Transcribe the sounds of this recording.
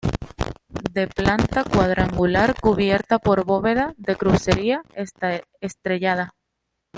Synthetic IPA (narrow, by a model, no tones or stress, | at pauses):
d̪e̞plant̪akwað̞ɾaŋɡulaɾkuβje̞ɾt̪apo̞ɾβo̞βe̞ð̞aðe̞kɾuse̞ɾias | est̪ɾe̞ʝað̞a